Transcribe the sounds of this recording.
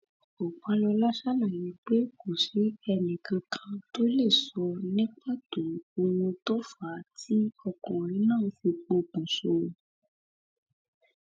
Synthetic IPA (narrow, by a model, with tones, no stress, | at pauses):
o˨k͡pa˧lɔ˧la˦ʃa˦la˨ji˨k͡pe˦ko˨ʃi˨˦ɛ˧nĩ˨kã˧kʰã˧to˦le˦˨sɔ˧nĩ˦k͡pa˦to˨o˧wũ˧to˦fa˨˦tʰi˦ɔ˧kɔ̃˨ɾĩ˨˦nãː˦˨ũ˧˦fĩ˧k͡po˨˧˨k͡pũ˨so˧˨